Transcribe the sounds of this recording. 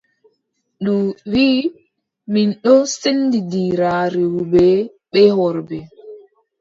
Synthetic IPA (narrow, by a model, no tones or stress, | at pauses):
ɗuwiː | minɗɔsendidiɾaɾewbɛ | ɓɛɦɔɾbɛ